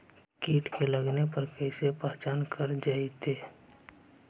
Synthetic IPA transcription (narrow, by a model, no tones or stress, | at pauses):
kiːʈkeləɡnepɐɾkɛɪsepɛɦt͡ʃaːnkʰəɾd͡ʒaːit̪ʰeː